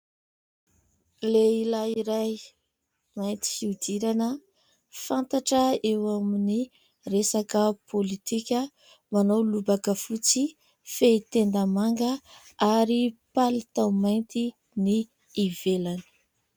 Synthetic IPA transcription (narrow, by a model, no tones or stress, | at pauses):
leilaiɾaj | majnt̪i̥hiud̪iɾanə | fant̪aʈ͡ʂəewamini | resakəpʰolit̪ikʲə | manawlubakəfut͡si | feit̪end̪amaŋɡə | aɾipalit̪awmajnt̪i | niː | velanə̥